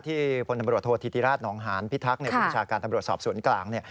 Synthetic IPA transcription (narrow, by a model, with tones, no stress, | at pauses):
t̪ʰiː˥˩pʰo˧nt̪a˧mɾu˨˩ət̪ʰːoː˧t̪ʰi˨˧t̪ʰiː˦˧ɾaː˥˩t̪̚nɔː˩˦ŋɦaː˩˦npʰi˦˥t̪ʰa˦˥k̚ni˥˩ba˧t͡ɕʰaː˧kaː˧nt̪a˧mɾu˨˩ət̪sɔ̰ː˨˩p̚su˩˦ənklaː˧˩ŋni˥˩ə